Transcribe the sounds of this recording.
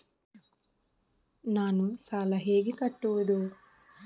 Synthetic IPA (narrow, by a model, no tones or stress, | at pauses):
naːnusaːlɐɦeːɡikɐʈːuʋud̪u